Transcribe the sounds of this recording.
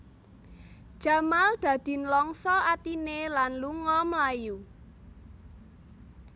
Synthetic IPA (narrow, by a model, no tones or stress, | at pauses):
d̥ʒ̥a̤mald̪̥ä̤d̪̥i̤nlɔŋsɔat̪inelanluŋɔmlaju